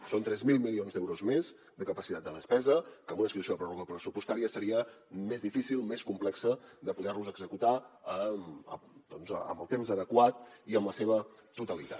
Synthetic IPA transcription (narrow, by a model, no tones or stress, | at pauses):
sont̪ɾɛzmilˠmilionzd̪ɛwɾuzmez | d̪əkəpəsit̪at̪̚d̪əðəspɛzəkəmunəsit̪usioðəpɾoruɣəpɾəsupust̪aɾiəsəɾiəmezðifisilˠmeskumplɛksəðəpuðɛrnuzəɡzəkut̪aəəd̪ɔnzə̰mbəlˠt̪emzəðəkwat̪iəmləseβ̞ə | t̪ut̪əlit̪a̰t